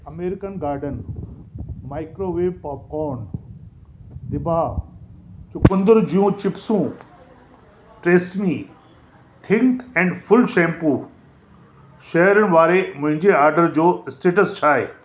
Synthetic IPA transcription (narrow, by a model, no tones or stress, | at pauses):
ɐmeːɾɪkənɡaːɾɖən | maːɪkɾoːʋeːʋpɔːp̚kɔːn | d̪ɪbʱa | t͡ɕʊkʊ̃nd̪əɾd͡ʑijũt͡ɕɪpsũ | ʈɾeːsmi | t̪ʰɪ̃ŋt̪ɛ̃ːɳɖfʰʊlʃɛ̃ːmpuː | ʃɐɦɾənɪ̆ʋaːɾemʊ̃ɦɪ̃ɲd͡ʑeaːɾɖəɾd͡ʑoːɪsʈeːʈəst͡ɕʰaːḛː